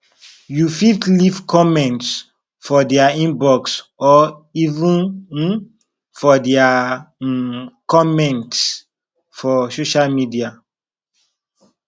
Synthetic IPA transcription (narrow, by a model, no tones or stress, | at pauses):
jufiftlifkʰɔmɛ̃nts | fɔdɛaĩnbɔksɔivũn | fɔdɛa | kɔmɛ̃nt | fɔsoʃalmidia